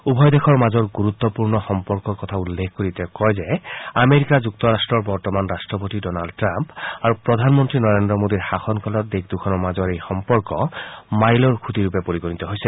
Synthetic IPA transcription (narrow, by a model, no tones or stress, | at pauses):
ubʱɔjd̪ekʰɔɹmazɔɹɡuɹut̪ːɔpuɹnɔxɔmpɔɹkɔɹkɔt̪ʰaulːekkoɹit̪ɛkɔjzɛameɹikazuk̚t̪ɔɹastɹɔɹbɔɹtɔmanɹastɹɔpotidɔnaldtɹampaɹupɹɔd̪ʱanmɔntɹinɔɹendɹɔmodiɹxaxɔnkʰɔlɔt̚d̪ekd̪ukʰɔnɔɹmazɔɹejxɔmpɔɹkɔmajlɔɹkʰut̪iɹupɛpoɹiɡonit̪ɔɦojsɛ